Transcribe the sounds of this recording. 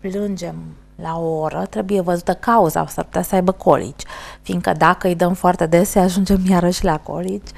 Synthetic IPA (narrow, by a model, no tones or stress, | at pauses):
plɨnd͡ʒe̞m | laooɾət̪ɾe̞buje̞vəzut̪əkauza̰sa̰rpu̥t̪asəajbəkʰo̞̰lʔḭd͡ʒʲfind̪̚kəd̪akəɨjd̪əmfoart̪e̞d̪e̞səaʒund͡ʒe̞mjaɾəʃlako̞̰lid͡ʒʲ